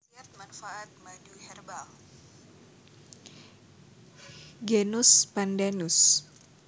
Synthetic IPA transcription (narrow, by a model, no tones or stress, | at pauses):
siat̪̚manfaʔat̪̚maduhɛrbal | ɡenuspandanus